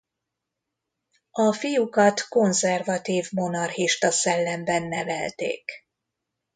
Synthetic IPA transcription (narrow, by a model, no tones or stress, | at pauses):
ɒfijukɒt̪ko̞nzɛrvɒt̪iːvmo̞nɒrhiʃt̪ɒsɛlːɛmbɛnːɛvɛ̰lt̪ḛːk